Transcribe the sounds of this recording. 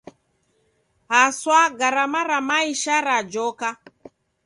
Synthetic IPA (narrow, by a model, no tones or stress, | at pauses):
haswaɡaɾamaɾamaiʃaɾad͡ʒɔka